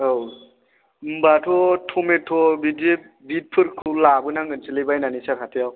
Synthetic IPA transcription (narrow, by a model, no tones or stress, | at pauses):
ow | mbatʰɔtʰɔmetʰɔbide | bit̚pʰɯɾkʰɯlabɯnaŋɡɯnsɯlejbajnanisaɾʰatʰejaw